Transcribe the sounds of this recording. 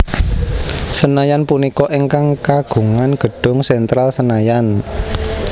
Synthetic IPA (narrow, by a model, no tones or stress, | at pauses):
sənajanpunikɔʔeŋkaŋkaɡ̥ṳŋanɡ̥ə̤ɖ̥ʊ̤ŋsɛnt̪ɾalsənajan